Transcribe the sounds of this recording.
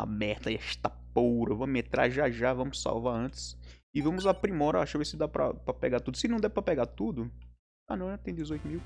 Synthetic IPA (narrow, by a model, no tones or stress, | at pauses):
ɐ̰mɛht̪ɐɛʃt̪a | powɾɐvɐ̃mmet̪ɾa̰ʒaʒavɐ̃mʊsːa̰wvaɾɐ̃t̪ɪ̥sɪvɐ̃mʊzapɾimɔɾɐaʃɐvesɪd̪apɾɐ̰pɾɐpɛɡat̪ud̪ʊsɪnɐ̃w̃d̪ɛvɪpɾɐpɛɡat̪ud̪ʊ | a̰nɐ̃w̃nɛt̪ẽj̃d̪ɪzojt̪ʊmiw